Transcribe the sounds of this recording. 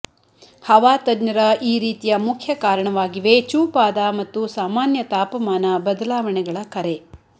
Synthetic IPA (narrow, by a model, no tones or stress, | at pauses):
hɐʋaːt̪ɐdnɐɾɐʔiːɾiːt̪ijɐmukʰjɐkaːɾɐɳɐʋaːɡiʋet͡ʃuːpaːd̪amɐt̪ːusaːmaːnjɐt̪aːpɐmaːnɐbɐd̪ɐlaːʋɐɳɛɡɐɭɐkɐɾe